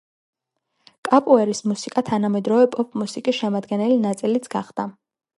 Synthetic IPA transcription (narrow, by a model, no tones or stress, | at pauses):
kʼapʼuɛɾismusikʼat̪ʰanamɛd̪ɾɔvɛpʼɔpʰmusikʼisʃɛmad̪ɡɛnɛlinat̪sʼilit̪sʰɡ̥aχd̪̥a